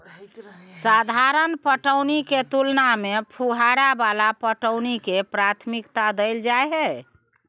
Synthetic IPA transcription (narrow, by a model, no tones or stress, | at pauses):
sad̪ʱaɾənpəʈəʊniket̪ulnamepʰuɦaɾabalapəʈəʊnikepɾat̪ʰmikt̪ad̪əjld͡ʒaeɦɛ